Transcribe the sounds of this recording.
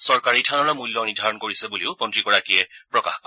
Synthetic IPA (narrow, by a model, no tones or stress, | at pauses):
sɔɹkaɹitʰanɔɹamulːɔniɹdʱaɹɔnkoɹisɛbuleʊpɔntɹikɔɹakiɛpɹɔka̰xkɔ